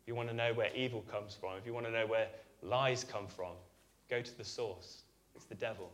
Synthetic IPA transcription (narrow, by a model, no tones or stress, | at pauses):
ɪfjəwɒ̃nənəʊwəɹʔiːvəlˠkʰʌ̃mz̥fɹə̃mɪfjəwɒ̃ñənəʊwəlaɪz̥kʰʌ̃ɱfɹə̃m | ɡ̥əʊtʰəðəsɔˑs | ɪtsðədɛvəlˠ